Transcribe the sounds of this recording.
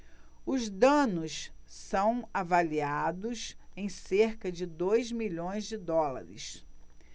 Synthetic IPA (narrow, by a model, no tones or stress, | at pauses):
ʊzd̪ɐ̃nʊs | sɐ̃w̃avaliad̪ʊsẽj̃seɾkɐd͡ʒɪd̪ojzmiʎõj̃zd͡ʒɪd̪ɔla̰ɾɪ̰s